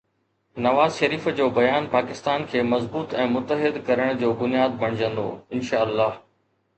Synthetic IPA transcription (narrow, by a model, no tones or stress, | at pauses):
nɐʋaːzʃɐɾiːfd͡ʑoːbɐjaːnpaːkɪst̪aːnkʰeːmɐzbuːt̪ɛ̃ːmʊt̪əɦɪd̪kɐɾəɽ̃d͡ʑoːbʊnijaːd̪̚bɐɽ̃ɪd͡ʑə̃nd̪o̰ːɪnʃaːɐlːaːɦ